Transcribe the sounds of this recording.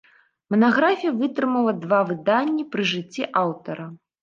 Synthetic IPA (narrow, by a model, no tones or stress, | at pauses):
mɐnaɣɾafʲijɐvɨt̪ɾɨmɐlˠɐd̪vavɨd̪anʲːipɾɨʐɨt͡sʲːiʔawt̪ɐɾɐ